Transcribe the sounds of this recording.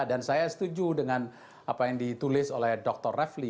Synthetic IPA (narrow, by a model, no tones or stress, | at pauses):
dansajasə̥t̪ud͡ʒudəŋan | apajaŋdit̪ulɪsolɛhdɔk̚t̪ɔrːɛfli